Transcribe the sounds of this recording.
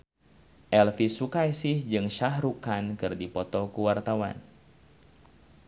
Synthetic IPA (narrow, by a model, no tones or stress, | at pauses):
ʔɛlfisukajsɪhd͡ʒɨŋʃahɾukankɨrdipɔt̪ɔkuwart̪awa̰n